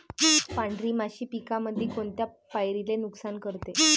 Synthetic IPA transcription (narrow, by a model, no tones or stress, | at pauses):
paɳɖɾimaɕiːpikaməd̪ʱːikoɳt̪ja | pajɾilenuksankəɾt̪e